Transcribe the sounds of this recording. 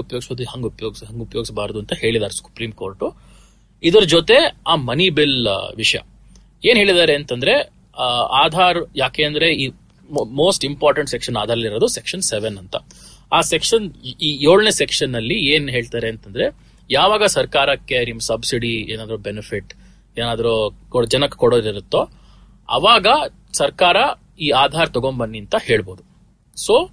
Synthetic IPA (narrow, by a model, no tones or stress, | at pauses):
upɐjoːɡisɐɐd̪ihɐŋɡupɐjoːɡisɦɐŋɡupɐjoɡisɐbaːɾd̪uɐnt̪ɐhe̞ːɭid̪aːɾesu̥pɾiːmkoːɾʈu | id̪ɐɾɐd͡ʒoːt̪e̞aːmɐnibilʋiʂɐjɐ̰ | e̞ːnɦeːɭid̪aːɾeːnt̪ɐnd̪ɐɾe̞ | aːd̪ʱaːɾjaːkeːɐnd̪ɐɾe̞iː | moːsʈimpaːɾʈɐɳʈsekʂɐnaːd̪ʱaːɾɐliɾod̪usekʂɐnseʋenːɐnt̪ɐ̰ | aːsekʂɐniːjoːɭnesekʂɐnːɐlːieːnɦeːɭt̪aːɾeːnt̪ɐnd̪ɾe̞ | jaːʋaːɡɐsɐɾkaːɾɐkːeɾimsɐbsiɽieːnaːd̪ɐɾubenipʰiʈ | eːnaːd̪ɐɾukod͡ʒɐnɐkːkɔɽoːɾiɾut̪ːo | ɐ̰ʋaːɡɐ | sɐɾkaːɾɐ | iːaːd̪ʱaːɾt̪ɔɡombɐnːiɐnt̪ɐhe̞ːɭbo̞ːd̪u | soː